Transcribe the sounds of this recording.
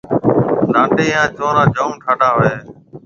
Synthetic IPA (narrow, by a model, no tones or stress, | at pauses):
nãːɳɖeːjãːt͡ʃoːɾãːd͡ʒəːũːʈʰaːɖãːɦeː